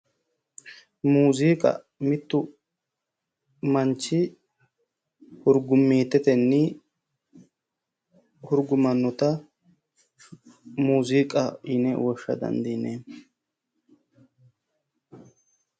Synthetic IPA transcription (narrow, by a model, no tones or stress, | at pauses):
muːzikʼɐ̰ | mɪt̪ːʊ | mɐnt͡ʃːɪ | hʊɾɡʊmːiːt̪ːɛt̪ɛnːɪ | hʊɾɡʊmɐnːɔt̪ɐ | muːzikʼɐɪnɛwɔʃːɐ̰d̪ɐ̰nd̪ine